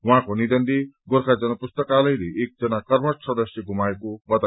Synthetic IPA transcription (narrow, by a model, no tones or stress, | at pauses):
wɦãkonid̪ʌnd̪eɡoɾkʰad͡zʌnʌpust̪ʌkalʌjɾeʔek̚d͡zʌnakʌrmʌʈsʌd̪ʌsjʌɡʱumaekobʌt̪a